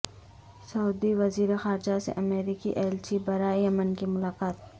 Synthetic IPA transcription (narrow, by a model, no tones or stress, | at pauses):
sɐʊd̪iʋɐziːɾexaːɾd͡ʒasḛʔɐmeːɾikḭʔɛːlt͡ʃibɐɾaːijɐmənkimʊlaːkaːt̪